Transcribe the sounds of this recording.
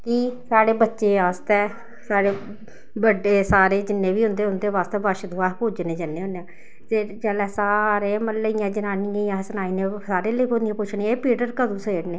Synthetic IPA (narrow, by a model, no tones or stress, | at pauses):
kisaːɽeːbətːʃeːaːst̪ɛː | saːɽeː | bəɖeːsaːɾeːd͡ʒɪnːẽːʋiːɦʊ̃nd̪eːɦʊnd̪eːʋaːst̪eːʋəʃd̪ʊaːpoːd͡ʒneːd͡ʒənːeːɦʊ̃neãː | t̪eːd͡ʒəlɛːsaːɾeːməlːəijãːd͡ʒənaːniãːjãːsənaːiːnẽːsaːɾeːləiːpoːd̪ijãːpʊt͡ʃʰnieːpiːʈəɾkəd̪uːseːɾneː